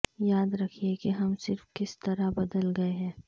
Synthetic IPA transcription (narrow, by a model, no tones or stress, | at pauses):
jaːd̪ɾɐkʰiekeɦɐmsɪɾfkɪst̪ɐɾabɐd̪əlɡɐeɦɛ̃ː